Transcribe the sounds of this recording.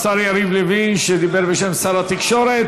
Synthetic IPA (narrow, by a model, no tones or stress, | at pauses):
saɾiaɾiblivinʃd̪ibɛɾvɛʃɛmsaɾat̪ikʃɔɾɛt̪